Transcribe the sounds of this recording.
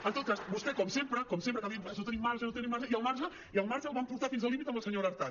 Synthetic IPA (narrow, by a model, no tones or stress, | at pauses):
ɐnt̪õt̪ɾasbust̪ekomsempɾakomsempɾet̪amjemfsot̪enimaɾʒanot̪enimaɾʃaialmaɾʒa | ialmaɾʒalβampuɾt̪aɾfinsalimit̪aməlseɲoɾaɾt̪a